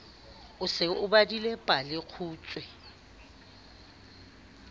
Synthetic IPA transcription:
ʊsɪʊbadilɛpʼalɪq͡χʰuːt͡sʼwɛ

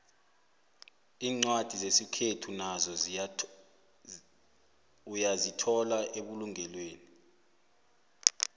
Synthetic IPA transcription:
iːŋ͡ǀwad̥ʱizesikʰetʰunazɔ | ujazitʰɔlaʔeɓuluŋɛlweːni

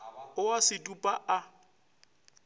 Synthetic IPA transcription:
ʊwasɪtʼupʼaʔa

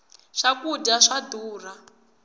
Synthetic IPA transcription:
ʂakudaʂaduːra

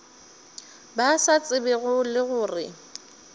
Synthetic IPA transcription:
basat͡sʼɪbɪɣʊlɪɣʊːrɪ

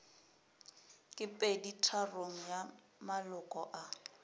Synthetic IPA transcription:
kʼɪpʼeditʰaroŋ̩ja | malʊkʼɔʔa

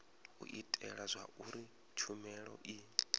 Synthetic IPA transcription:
ṵʔitʼɛɺazʷauɾi | t͡ʃʰumɛɺɔ̰ʔi

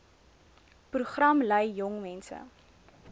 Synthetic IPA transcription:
pruχrɐmləjːjɔŋmɛnsə̰

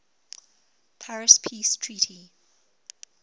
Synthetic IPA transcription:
pʰaɹɪspʰiːstʰɹiːˑtʰi

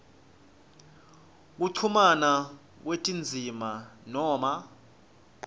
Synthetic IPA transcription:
k̬uǀʰumana | k̬wetʼind͡zʱimanɔːma

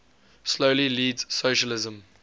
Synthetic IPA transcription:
sloʊliliːdz̥soʃəlɪzə̃m

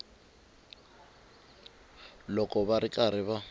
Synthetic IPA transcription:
lɔkʼɔbaɾɪkʼaɾɪβa

